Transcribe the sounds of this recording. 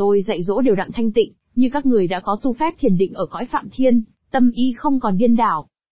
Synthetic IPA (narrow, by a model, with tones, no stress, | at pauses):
o˧jza̰˧˨jzo̰˧˥ɗe˨˩wɗa̰˧˨ŋt̪ʰa˧jŋ̟t̪ḭ̈˧˨ŋ̟ | ɲɨ˧kaː˦˥k̚ŋɨ˨˩əjɗa̰ː˧˥kɔ˨˦t̪u˧fɛ˦˥p̚t̪ʰi˨˩ənɗḭ̈˧˨ŋ̟ʔəː˧˩kɔ̰˧˥jfa̰ː˧˨mt̪ʰi˧ən | t̪ə˧mʔi˧xə˧wŋ͡mkɔ˨˩nɓi˧ənɗa̰ː˧˩w